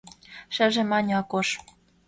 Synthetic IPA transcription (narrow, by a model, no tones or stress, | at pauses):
ʃɘ̆ʒĕmɑnʲɑkoʃ